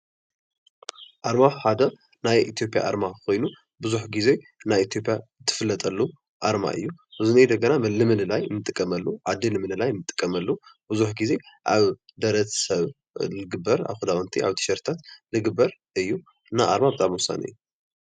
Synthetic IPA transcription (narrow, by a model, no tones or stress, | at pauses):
ʔaɾmaħad̪ɐ | najʔit̪ʰijo̞pʼja̰ʔa̰ɾmakʰo̞jnu | bɨzuħɡize̞ | najit̪ʰijo̞pʼjat̪ʰːɨ̥fɨlːɐt̪ʼɐlːu | ʔaɾma̰ʔɨ̰jːuɨzunejd̪ɐɡɐnamɨlɨmɨnɨlajmɨt̪ʼɨkʼːɐmɐlːuʕad̪ːilɨmɨnɨlajmɨt̪ʼːɨ̥kʼːɐmɐlːubɨzuħɡize̞ʔaβd̪ɐɾɐt͡sʼsɐβ | lɨɡɨbːɐɾa̰βxɨd̪awɐnt̪ʰiʔa̰βt̪ʰɨ̥ʃɐɾt̪ʰat̪lɨɡɨbɐɾ | ʔɨjːu | naʔaɾmabɨt̪ʼamwʊsa̰nɨ̰jːu